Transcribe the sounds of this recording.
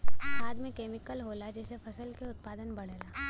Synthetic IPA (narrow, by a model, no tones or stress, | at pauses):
baːd̪mẽkeːmɪkəlɦoːlad͡ʒɛːsefʰɐsəlkeʊt̪̚paːd̪ənbɐɽ̤eːlaː